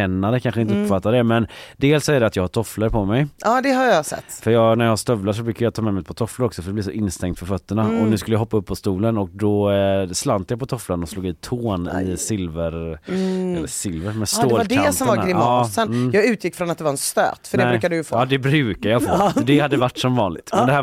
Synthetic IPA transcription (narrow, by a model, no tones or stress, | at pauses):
ɛnːaɾəkʰanɧəɪnt̪əɵpfat̪ːad̪ɛmɛnd̪eːlsɔæɾɖɛat̪jɑːhaʈ̪ʰɔfləɾpʰɔmɛjɑːd̪ɛɦajɑsɛ̰t̪ːfœɾjɑːɡnæɾjɑhaʂt̪œvlaʂ̬ɔbɾʉ̟ːkːaɾjat̪ʰɑːmɛmɛjpʰɔt̪ʰɔfləɾɔksɔfœɾɖ̪ɛblɪsɔʔɪnːst̪ɛŋt̪fœɾfœt̪ːəɳaɔnʉ̟skɵləjaɦɔpːaɵpːɔst̪uːlənɔk̚d̪ɔslant̪japʰɔt̪ʰɔflanɔsloːɡɪt̪ʰoːnɪ̰sɪlvəɾ | ɛlːəsɪlvəɾmɛst̪oːldʰɛasɔmvaɾɪmɑːsənːjɑːɡʉ̟ːt̪jɪkːfɾɔnat̪d̪ɛvaɾɛnst̪ø̰ːt̪fœɾɖ̪ɛɛɾʉkad̪ɛjfoːd̪ɛbɾʉ̟ːkajɑːfoːdɛhad̪ːəvaʈːsɔmvɑːnlɪɡt̪mɛnd̪ɛhæː